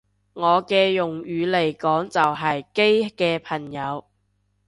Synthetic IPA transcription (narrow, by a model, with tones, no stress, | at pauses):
ŋɔː˨˧kɛː˧jʊ˨˩ŋɥyː˨˧le˨˩jkɔː˨˥ŋt͡sɐ˨wɦɐ˨jke˥jkɛː˧pʰɐ˨˩ŋjɐ˨˧w